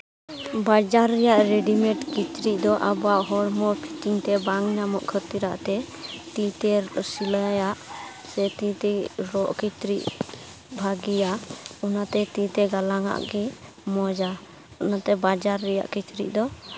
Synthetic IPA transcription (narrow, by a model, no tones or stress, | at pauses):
bad͡ʒaɾːɛjaʔɾeɖimɛʈkit͡ʃɾiʔ̚d̪ɔʔabɔaʔɦɔɾmɔpʰiʈiŋt̪ɛbaŋnamɔʔkʰət̪iɾa̰ʔt̪ɛt̪it̪ɛsilajaʔ | sɛt̪ĩt̪ɛɾɔʔkit͡ʃɾiʔ | bʱaɡijaɔnat̪ɛt̪it̪ɛɡalaŋa̰ʔɡi | mɔd͡ʒa | ɔnat̪ɛbad͡ʒaɾːɛja̰ʔkit͡ʃɾḭʔ̚ˀd̪ɔ